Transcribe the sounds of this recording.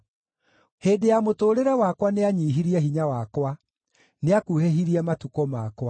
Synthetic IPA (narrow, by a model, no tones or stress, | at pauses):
heːdejamotoːɾeɾɛwakwaneaɲiːɦiɾiɛɦiɲawakwa | neakuheɦiɾiɛmatukɔmakwa